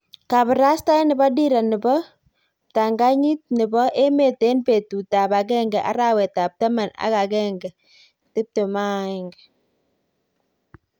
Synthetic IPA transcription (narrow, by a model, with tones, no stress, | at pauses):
ka˨bɾa˦sta˦nɪ˨ba˦di˦ɾa˨nɪ˨bɔ˦ | ta˨ŋɡa˦ɲi˦t̚nɪ˨bɔ˦ʔe˦me˨te˦npe˨tu˨ta˨pa˨k̬ɛ˦ŋɡɛ˨ʔa̰˦ɾa˦wɛ˨ta˨p̚tɐ˦ma˨na̰˦ka˨kɛ˦ŋɡɛ˨ | tɪ˦p̚tu˨ma˦˨ŋɡ